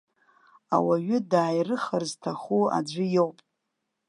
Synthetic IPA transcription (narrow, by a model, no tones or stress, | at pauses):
a̰waɥʏdaːjrɨχarztʰaχua̰d͡ʒʷɨjowpʼ